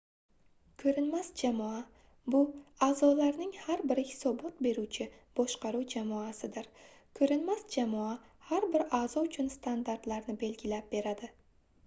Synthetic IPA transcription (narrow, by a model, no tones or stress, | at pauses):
kʰɵɾɪnmasd͡ʒamɒa | bʊaːzɒlaɾnɪŋhaɾbɪɾhɪ̥sɒbɒt̪̚be̞ɾut͡ʃʰɪ | b̥ɒʃqɑɾuwd͡ʒamɒasɪd̪ɪɾ | kʰɵɾɪnmasd͡ʒamɒahaɾbɪɾazɒʊt͡ʃʰʊnst̪ʰand̪aɾt̪laɾnɪbe̞lɡʲɪlap̚be̞ɾad̪ɪ